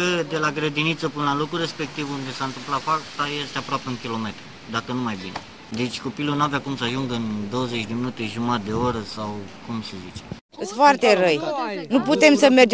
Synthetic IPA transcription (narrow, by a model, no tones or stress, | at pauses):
əd̪e̞laɡɾəd̪init̪səpunəlalokɾure̞spe̞k̚t̪ivund̪e̞sant̪ɨmplat̪fakt̪ajest̪eapɾoapeɨŋkʲilo̞me̞t̪ɾu | d̪akənumajbine | d̪e̞t͡ʃʲko̞pilunuaveakumsəaʒuŋɡɨnd̪o̞wəze̞t͡ʃʲd̪e̞minut̪e̞ʒumat̪̚d̪e̞o̞ɾəsawkumsəzit͡ʃe | ɨsfoart̪e̞rəjnuput̪e̞msəme̞rd͡ʒ